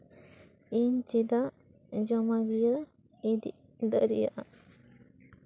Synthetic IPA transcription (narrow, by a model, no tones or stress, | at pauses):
int͡ʃid̪aʔ | d͡ʒɔmaɡijə | id̪ḭʔ | d̪ə̰ɾḭja̰ʔa